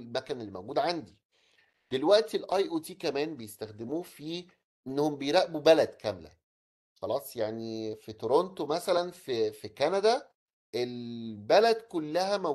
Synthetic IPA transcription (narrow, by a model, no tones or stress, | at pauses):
lmækænelːimæwɡuːd̪ʕand̪i | d̪̥elwæʔt̪elʔɑjʔut̪iːkæmæːnbejest̪æxd̪emuːfiː | ʔenːohombejɾæʔbubælæd̪kæmlæ̰ | xɑlɑːsˤjaʕnifit̪oɾont̪omæsælænfifikænæd̪æ | ʔelbælæd̪kolːæhæmæ